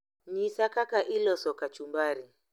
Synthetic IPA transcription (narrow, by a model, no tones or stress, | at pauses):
ɲisakakaʔilɔsɔkat͡ʃumbaɾi